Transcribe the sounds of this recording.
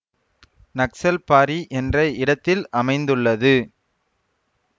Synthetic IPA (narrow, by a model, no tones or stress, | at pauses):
nɐksɐlpaːɾiʔɛndrɐɪɽɐt̪ːɪlʔɐmɐɪnd̪ɯɭːɐðɯ